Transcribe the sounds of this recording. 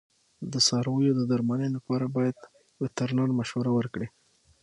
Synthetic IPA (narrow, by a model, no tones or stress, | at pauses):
d̪əsɑɾwəjod̪əd̪aɾmanəjlapɑɾabɑjad̪ | wɪt̪aɾnɑɾmaʃwaɾawəɾkɽi